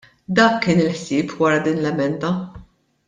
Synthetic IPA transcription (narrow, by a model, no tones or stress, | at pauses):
d̪ɐːkːɪːnɪlħsɪːpʰwɐɾɐd̪iːnlɛmɛnd̪ɐ